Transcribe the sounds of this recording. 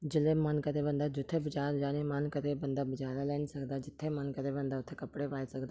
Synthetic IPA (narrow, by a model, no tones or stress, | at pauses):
d͡ʒilemankət̪ebənd̪ʱad͡ʒut̪ʰebɪt͡ʃaːɾd͡ʒaːnemankət̪ebənd̪ʱabɪd͡ʒaːlalensəkd̪ad͡ʒit̪ʰːemankət̪ebənd̪ʱaut̪ʰːekɐpɽeʋaːjsəkd̪a